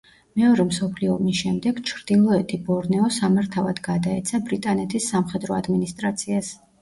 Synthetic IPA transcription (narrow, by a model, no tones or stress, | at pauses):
mɛɔɾɛmsɔpʰliɔmisʃɛmd̪ɛɡt͡ʃʰɾd̪̥ilˠɔɛt̪ʰibɔɾnɛɔsamaɾt̪ʰavad̪ɡad̪aɛt̪sʰabɾit̪ʼanɛt̪ʰisːamχɛd̪ɾɔad̪minist̪ʼɾat̪sʰias